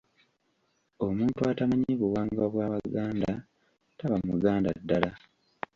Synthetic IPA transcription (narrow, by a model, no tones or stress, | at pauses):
omuːntuatamaɲeβuwaːŋɡaβwaːβaɡaːnda | taβamuɡaːndadːala